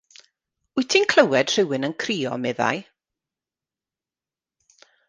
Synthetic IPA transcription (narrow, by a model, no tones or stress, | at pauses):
ʊɨtʰinkʰl̥ˠəwɛd̥r̥ɪwɨnənkʰriːɔ̰mɛða̰j